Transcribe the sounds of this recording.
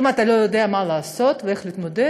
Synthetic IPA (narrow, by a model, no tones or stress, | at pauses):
mat̪alo̞jod̪eamalaːso̞t̪veeχliːt̪mod̪e